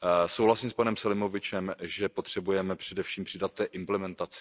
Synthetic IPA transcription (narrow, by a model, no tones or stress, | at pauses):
sowɦlasiːmspanɛmsalɪmo̞vɪt͡ʃɛmʒɛpot̪r̝̥ɛbujɛmɛpr̝̥ɛdɛfʃiːmpr̥ɪdat̪̚ːɛːʔɪmplɛmɛnt̪at͡sɪ̥